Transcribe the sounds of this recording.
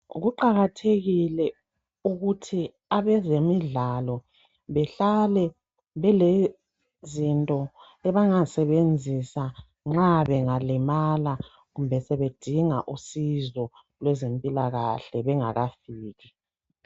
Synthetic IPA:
ɣuǃaɣatʰeɣilɛ | uɣutʰi | aβɛzemiɮalɔ | βɛɬalɛ | βɛle | zintʼɔ | ɛβaŋasɛβend͡zʱisa | ŋ͡ǁaβɛŋalimala | ɣumbʱɛsɛβed̥ʱiŋaʔusizɔ | lwɛzempʼilaɣa̰ɬɛβɛŋa̰ɣafiːɣi

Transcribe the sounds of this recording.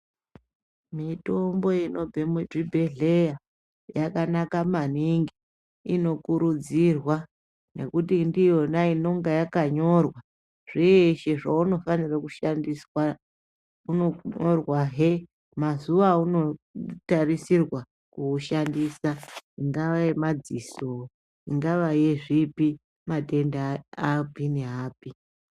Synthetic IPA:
mito̞mbo̞ino̞bʱemuʐibʱe̞ɮe̞ja | jakanakamaniŋɡi | ino̞kuɾud͡zirwa | ne̞̰kutindijo̞naino̞ŋɡajakaɲo̞rwa | ʐ̥ieʃeʐauno̞fanirakuʃandiswa | unoɲorwaɦe | mazuʋauno̞tarisirwa | kuʃandiːsaiŋɡaʋajemad͡ziso | iŋɡaʋajeʐipi | mate̞ndaapineɦaːpi

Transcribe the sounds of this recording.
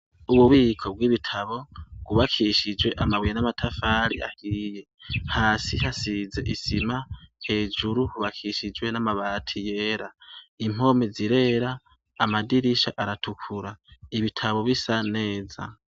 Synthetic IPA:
uβuβiːkʰo̞bɡwiβitʰaβo̞ɡ̥uβakʰiʃid͡ʒwe̞ʔamaβwijenamatʰafaɾḭa̰hiːje̞haːsihasize̞̰ʔisimahe̞ːd͡ʒuɾuhuβakʰiʃid͡ʒwe̞namaβaːtʰije̞ːɾaim̥o̞meziɾe̞ːɾaː | madiɾiʃa̰ʔaɾatʰukʰuɾaiβitʰaβo̞βisane̞ːza̰

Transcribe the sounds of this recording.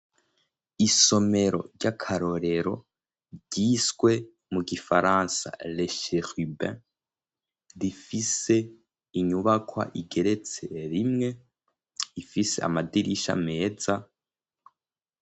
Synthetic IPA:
iso̞me̞ɾo̞̰ɾɟakʰaɾo̞ɾe̞ɾo̞̰ | ɟiːsɡ̥we̞ | muɡifaɾansa̰leʃexybɛ̃ | ɾifise̞ | iɲuβakwa̰ʔiɡe̞ɾe̞t͡se̞ɾimŋe̞ | ifisḛa̰madiɾiʃa̰me̞ːza

